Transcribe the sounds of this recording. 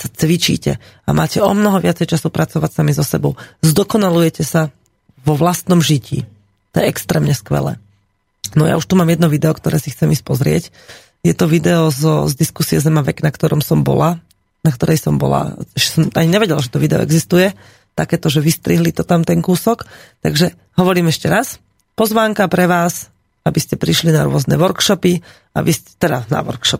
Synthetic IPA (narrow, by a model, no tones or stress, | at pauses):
sat͡sʋit͡ʃḭːcɛ̰ | amʔa̰ːcɛɔmnɔɦɔʋɪat͡sɛjt͡ʃasupɾʔat͡sɔʋacsamizɔsɛbɔʊzd̪ɔkɔnalujɛcɛsa | ʋɔʋlast̪nɔmʒicḭː | t̪ɔjɛɛkst̪ɾɛːmɲɛskʋɛ̰lɛ̰ː | nɔja̰uʃt̪umaːmjɛd̪nɔʋid̪ɛɔkt̪ɔɾɛːsixt͡sɛmispɔzɾɪɛ̰c | jɛt̪ɔʋid̪ɛɔzɔzd̪iskusiɛzɛmaʋɛknakt̪ɔɾɔmsɔmbɔ̰la | nakt̪ɔɾɛjsɔmbɔ̰la̰ɛʃɛ̥sɔmʔaɲiɲɛʋɛɟɛlaʒɛt̪ɔʋid̪ɛɔ̰ʔɛ̰ɡzist̪ujɛ | t̪akɛːt̪ɔʒɛʋist̪ɾiɦlit̪ɔt̪amt̪ɛŋkuːsɔkt̪a̰ɡʒɛ | ɦɔʋɔɾiːmɛʃcɛɾas | pɔzʋaːŋkapɾɛʋaːs | abiscɛpɾiʃlina̰ɾʊɔznɛ̰ːʋɔɾkʃɔpi | a̰biscɛ̥t̪ɛɾana̰ʋɔ̰ɾkʃɔp̚